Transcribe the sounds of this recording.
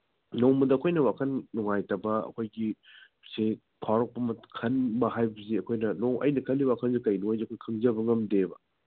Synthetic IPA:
nowmɐdɐːkʰojnɐwakʰɐnːɔŋajtɐbɐɐ̰kʰojɡi | se | pʰawɾɐk̚pɐmɐtkʰɐnbɐɦajbɐziɐkʰojnɐnowʔɐ̰jnɐkʰɐlːiwakʰɐnzikɐjnuajziɐkʰojkʰɐŋzɐbɐŋɐmdebɐ

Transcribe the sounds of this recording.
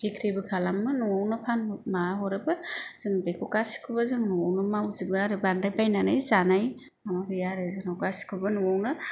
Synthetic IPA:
d̥ikʰɾibɯkʰalamːɯnɔwɔwnɯpʰanmaɦɔɾɯbɯz̥ɯŋdekʰɔkasi̥kʰɯbazɯŋnɔwɔwnɯmawzibɯaɾɯbandajbajnanajzanaj | amabɯjaɾɯzɯnɔwkasi̥kʰɯbɯnɔwɔwnɯ

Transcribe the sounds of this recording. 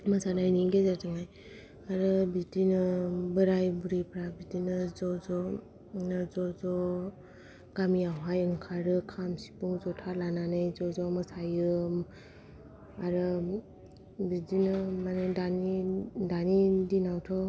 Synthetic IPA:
masanajniɡezataŋaj | aɾɯbidinɯbɯɾajbuɾipɾabitinɯzɔzɔ | nɯzɔzɔ | ɡ̥amiawɦajɯŋkʰaɾɯkʰamsi̥puŋzɔtʰalananɯjzɔzɔmɯsajɯ | aɾɯ | bidinɯmanɯdanidanidinawtʰɔ

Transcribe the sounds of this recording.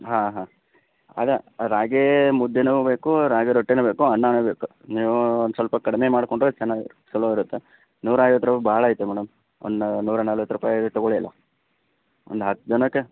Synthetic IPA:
ɦãːɦaː | a̰ːɡɐɾaːɡemud̪ʱːenube̞ːkuɾaːɡeɾoʈːenube̞ːkuɐɳːaːnubeːku | niːʋusʋɐlpɐkɐɽimemaːɽkoɳɖɾot͡ʃɛnːaːɡ | sɐloiɾut̪ːe | nuːɾaːjʋɐt̪ːɾupbʱaːɭaːjit̪ːumɛːɽɐm | o̰nnuːɾɐnaːlʋɐt̪ːɾupaːjt̪ɔɡoɭijɐlːɐ̰ | o̰nd̪uɦɐt̪ːd͡ʒɐnɐkːe

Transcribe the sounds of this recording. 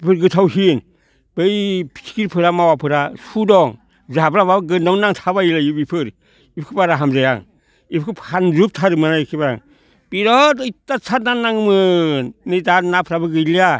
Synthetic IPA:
bipʰɯɾɡɯtʰawɦin | b̥ɯjpʰi̥sʰi̥kiɾpʰɯɾamawapʰɯɾasudɔŋ | zablababɯɡɯndamnaŋtʰabajilajibipʰɯɾ | ipʰkʰɯpaɾaɦamzaja̰ŋ | ipʰkʰɯpʰanzup̚tʰaɾɯmɯnaikʰibaɾa̰ŋ | b̥iɾɔtɯjtasʰat̚nanaŋmɯnɯjtanapʰɾabɯɡɯjlia

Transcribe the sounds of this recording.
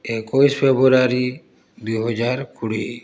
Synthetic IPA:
ekɔispʰebɾuɾaɾi | d̪ujɦɔd͡ʒaɾkuɽi

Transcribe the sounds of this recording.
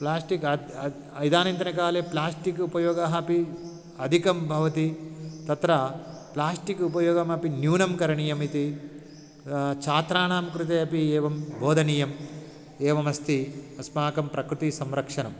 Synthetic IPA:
plaːsʈikɐ | ɐjd̪aːnɐnt̪ɐnɐkaːleːplaːsʈikupɐjoːɡaɦɐpi | ɐd̪ʱikɐmbʱɐʋɐt̪it̪ɐt̪ɾɐplaːsʈikupɐjoːɡɐmɐpinjuːnɐmkɐɾɐɳijɐmit̪i | t͡ʃaːt̪ɾaːɳaːmkɾut̪eːɐpieːʋɐmbʱoːd̪ʱɐnijɐm | eːʋɐmɐst̪iɐsmaːkɐmpɾɐkɾut̪isɐmɾɐkʂɐnɐ̰m

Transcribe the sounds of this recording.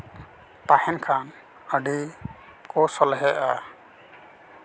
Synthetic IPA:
t̪ahɛnkʰan | əɖi | kɔsɔlɦɛʔa

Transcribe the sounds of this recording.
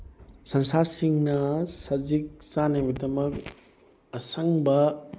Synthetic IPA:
sɐnsasiŋnɐsɐzik̚sanɐmidɐmɐk̚ | ɐsɐŋbɐ

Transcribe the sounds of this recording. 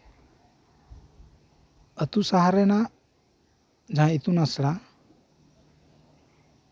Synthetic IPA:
ʌt̪usaɦaɾena | d͡zʱãit̪unʌsɾa

